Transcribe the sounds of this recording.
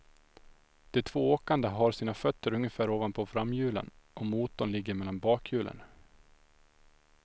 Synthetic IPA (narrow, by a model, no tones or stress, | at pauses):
d̪̥ɛt̪ʰv̥oːoːkand̪əɦaɾsiːnafœt̪ːəɾɵŋːjəfæːɾoːvanpʰɔfɾamːjʉ̟ːlə̰nʔɔmuːt̪ːɔnlɪɡːəɾmɛlːanbɑːkʰjʉ̟ːlʔə̰n